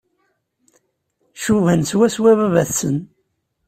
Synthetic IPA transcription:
ʃuvænswæswæβævæθsən

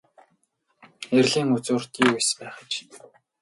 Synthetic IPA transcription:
erɮiːŋut͡sʊːr̥t̪iːujspæːχə̆t͡ɕ

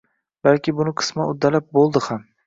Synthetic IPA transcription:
balkʲɪbʊnɪqʰɨ̥smaʊd̪ːalap̚bolˠd̪ɪham

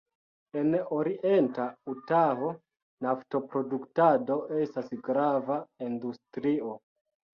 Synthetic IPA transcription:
e̞no̞ɾiʔe̞ntautaɦo̞ | nafto̞pɾo̞duktado̞ʔe̞stasɡɾavaindustɾio̞

